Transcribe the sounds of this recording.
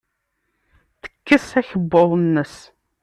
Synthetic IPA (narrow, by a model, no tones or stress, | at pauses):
θə̥kːəsæçəbːoðˤnːəs